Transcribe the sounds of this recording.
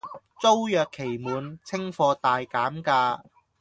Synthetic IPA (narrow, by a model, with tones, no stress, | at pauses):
t͡so˥wjœː˨kʰːe˨˩jmuː˨˧nt͡sʰɪ˥ŋfɔː˧t̪aː˨jkaː˨˥mkaː˧